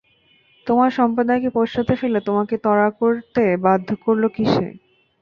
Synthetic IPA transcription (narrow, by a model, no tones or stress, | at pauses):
t̪omaɾʃɔmpod̪aekepoʃat̪eʃelet̪omaket̪ɔɾakoɾt̪ebad̪ʱːokoɾlokiʃḛ